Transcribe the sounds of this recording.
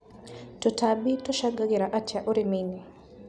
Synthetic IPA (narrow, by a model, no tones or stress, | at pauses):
tɔtabitoʃaɡaɡɪɾaʔatjaʔoɾimini